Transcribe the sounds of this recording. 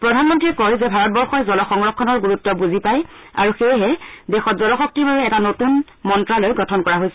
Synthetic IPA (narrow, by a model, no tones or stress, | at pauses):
pɹɔdʱanmɔntɹiɛkɔjzɛbʱaɹɔt̚bɔɹxɔjzɔlɔxɔŋɹɔkʰːɔnɔɹɡuɹutːɔbuzipaj | a̰ɹuxejɦɛdɛxɔtzɔlɔxɔk̚tibabɛɛtanotun | mɔntɹalojɡɔtʰɔnkɔɹaɦojsɛ